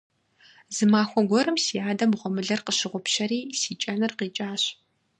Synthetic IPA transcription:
zɨmaːxʷɔɡʷɔɾɨmsijaːdɐmʁʷɔmɨɮɐrqəʃɪʁʷɔpʃɐɾiːsiːt͡ʃʼɐnɨrqiːt͡ʃʼaːɕ

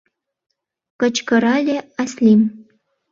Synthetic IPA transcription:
kə̆t͡ɕkə̆ɾɑlʲeaslim

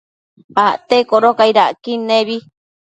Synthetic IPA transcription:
aʔt̪ekoɾokaiɾaʔkineβi

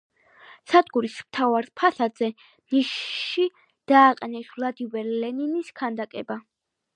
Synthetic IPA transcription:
sad̪ɡuɾismt̪ʰavaɾpʰasad̪zɛ | niʃʃi | d̪̥aːqʼɛnɛsvlˠad̪ivɛɾlɛniniskʰand̪akʼɛba

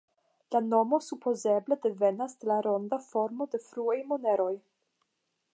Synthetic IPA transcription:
lano̞mo̞supʰo̞ze̞ble̞de̞ve̞nasdelaɾo̞ndafo̞ɾmo̞de̞fɾuajmo̞ne̞ɾo̞j

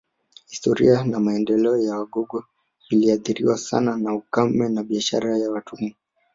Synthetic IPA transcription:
histɔɾḭanamaɛndɛlɛɔjawaɡɔɡɔ | iliaθiɾḭwasa̰nanaukam̩mɛnaɓiaʃa̰ɾajawatumɔ

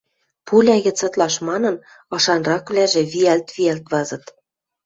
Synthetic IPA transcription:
pulʲæɣɘ̆t͡sɤ̆t̪lɑʃmɑnɤ̆n | ɤ̆ʃɑnrɑkβlæʒĕβiælt̪βiælt̪βɑzɤ̆t̪

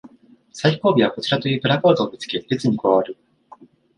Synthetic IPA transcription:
saiko̞ːbʲiβ̞ako̞t͡ɕiɾat̪o̞jɯːpɯ̟ɾakoːd̪oːmʲit͡sɨ̥ke̞et͡sɨɲ̟ikoβaβaɾɯ̟

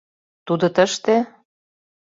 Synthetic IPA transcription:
t̪ud̪ŏt̪əʃt̪e

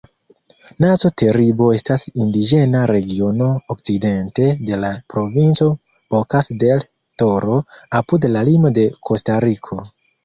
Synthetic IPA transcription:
nazo̞te̞ɾibo̞e̞stasindid͡ʒe̞naɾe̞ɡio̞no̞okt͡side̞nte̞de̞lapɾo̞vint͡so̞ | okasde̞l | to̞ɾo̞apudlalimo̞de̞kʰo̞staɾikʰo̞

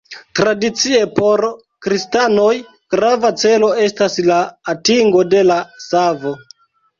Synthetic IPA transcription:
tɾadit͡sie̞po̞ɾ | kɾistano̞j | ɡ̥ɾavat͡se̞lo̞e̞staslaːtiŋɡo̞de̞lasavo̞

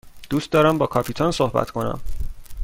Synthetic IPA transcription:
d̪̥uːst̪d̪ɒːɾæmbɒːkʰɒːpʰit̪ʰɒnsohbæ̰t̪ʰkʰo̞næ̰m

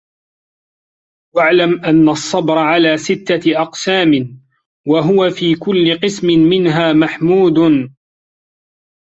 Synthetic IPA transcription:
waʕlamʔanːasˤːɑbɾˤɑʕalaːsɪt̪ːaʔɑqsaːmɪ | waɦʊwafiːkʊlːɪqɨsmɪmɪnɦaːmaħmuːd̪n

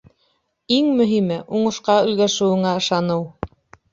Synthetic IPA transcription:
iŋmɵ̆ɦimɘʔuɴɤ̆ʃqɑɵ̆j̪ɡæʃɘ̆wɘ̆ŋæɤ̆ʃɑnɤw

